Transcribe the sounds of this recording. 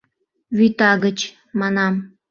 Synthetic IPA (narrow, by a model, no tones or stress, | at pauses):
βyt̪ɑɣət͡ɕ | mɑnɑm